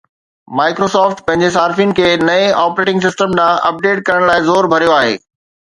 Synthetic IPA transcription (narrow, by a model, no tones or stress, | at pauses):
maːɪkɾoːsɔːfʈpɐ̃ɦɪ̃ɲd͡ʑes̬aːɾɪfinɪ̆kʰeːnɐeʔaːpɾeːʈɪ̃ŋɡs̬ɪsʈəmɗ̪ãːʔɐp̚ɖeːʈ̚kɐɾəɽ̃laːɪzoːɾbʱɐɾijoaːɦḛː